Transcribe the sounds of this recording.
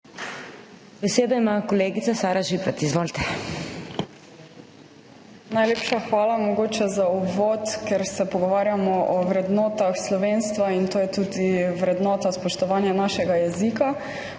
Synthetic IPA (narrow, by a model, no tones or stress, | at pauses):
bɛseːd̪ɔimakɔleːɡit̪sasaːɾaʒipɾat̪izʋoːlt̪ɛ | najleːpʃaxʋaːlamɔɡoːt͡ʃɛzaubʋot̪kɛɾsɛpɔɡɔʋaːɾjamɔʔɔʋɾɛd̪nɔːt̪axslɔʋeːnst̪ʋaint̪oːjɛt̪uːd̪iʋɾɛd̪nɔːt̪aspɔʃt̪ɔʋaːnjanaʃɛɡajɛzika